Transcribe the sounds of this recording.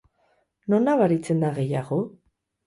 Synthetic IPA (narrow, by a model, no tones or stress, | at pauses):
no̞naβaɾit͡se̞nd̪aɣe̞jaɣo̞